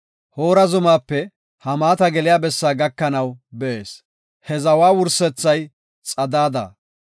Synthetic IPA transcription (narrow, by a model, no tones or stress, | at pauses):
hoːɾɐzʊmaːpːɛ | hɐmaːt̪ɐɡɛlɪjaːbɛsːaːɡɐkːɐnɐwbɛʔeːs | hɛzɐwaːwʊɾsɛt͡sːɐj | t͡sʼɐd̪aːd̪ɐ̰